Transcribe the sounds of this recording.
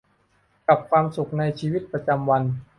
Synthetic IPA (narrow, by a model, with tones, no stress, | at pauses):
ka˨˩p̚kʰwaː˧msu˨˩k̚na˧jt͡ɕʰiː˧wi˦˥t̪̚pɾa˧t͡ɕa˧mwa˧n